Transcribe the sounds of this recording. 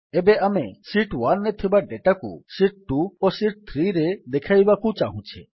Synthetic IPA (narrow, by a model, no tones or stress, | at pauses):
ebeamesiʈwanːet̪ʰibaɖeʈakṵsiʈ̚ʈuosiʈ̚t̪ʰɾiɾed̪ekʰajbakũt͡ʃaɦũt͡ʃʰḛ